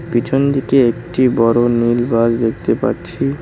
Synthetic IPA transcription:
pit͡ɕʰond̪ikeekʈibɔɾonilbasd̪ek̚ʰt̪epa̰ɾt͡ɕʰi

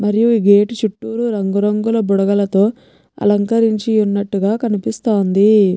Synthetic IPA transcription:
mɐɾijuiːɡeːʈt͡ʃuʈːuːɾuɾɐŋɡuɾɐŋɡulɐbuɽɐɡɐlɐt̪o̞ː | ɐ̰lɐŋkɐɾiɲt͡ʃiunːɐʈːuɡaːkɐnipist̪oːnd̪i

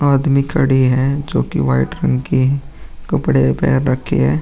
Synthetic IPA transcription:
aːd̪mikʰɐɽiɦɛd͡ʒoːkḭʋaːɪʈɾə̃ŋɡki | kɐpɐɽepɛ̰ːɾːɐkʰḛɦɛː

